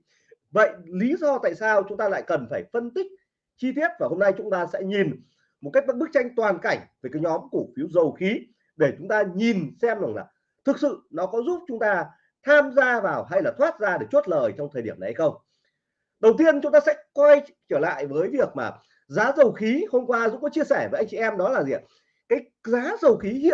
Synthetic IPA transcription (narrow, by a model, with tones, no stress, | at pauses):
və̰˧˨jli˨˦zɔ˧t̪a̰ː˧˨jsaː˧wt͡ɕʊ˨˦ŋ͡mt̪aː˧la̰ː˧˨jkə˨˩nfaː˧˩jfə˧nt̪ï˦˥k̟̚ | t͡ɕi˧t̪i˦˥ət̚vaː˨˩ho˧mna˧jt͡ɕʊ˨˦ŋ͡mt̪aː˧sɛ̰˧˥ɲi˨˩n | mo˨˩t̚ka˦˥k̚ɓk̚ɓɨ˦˥k̚t͡ɕa˧jŋ̟t̪waː˨˩nka˧˩jŋ̟ve˨˩kaː˨˦jɲɔ˨˦mku˧˩əfi˨˦əwzə˨˩wxi˨˦ | ɗe˧˩t͡ɕʊ˨˦ŋ͡mt̪aː˧ɲi˨˩nsɛ˧mza˨˩ŋla̰ː˨˩ | t̪ʰɨ˨˩k̚sɨ̰˧˨nɔ˨˦kɔ˨˦zu˦˥p̚t͡ɕʊ˨˦ŋ͡mt̪aː˧ | t̪ʰaː˧mzaː˧vaː˨˩wɦa˧jlaː˨˩t̪ʰwaː˦˥t̚zaː˧ɗe˧˩t͡ɕu˦˥t̚ləː˨˩jt͡ɕɔ˧wŋ͡mt̪ʰəː˨˩jɗi˧˩əna˨˩ha˧xə˧wŋ͡m | ɗə˨˩wt̪i˧ənt͡ɕʊ˨˦ŋ͡mt̪aː˧sɛ̰˧˥kwa˧j | t͡ɕəː˧˩la̰ː˧˨jvəː˨˦jvi˨˩ək̚maː˨˩ | zaː˨˦zə˨˩wxi˨˦ho˧mkwaː˧zṵ˧˥kɔ˨˦t͡ɕi˧əsɛː˧˩vəː˨˦jʔa˧ŋt͡ɕi˧˨ʔɛ˧mɗɔ˨˦laː˨˩zi˨˩˨ | kaː˨˦j | zaː˨˦zə˨˩wxi˨˦hḭ˧˨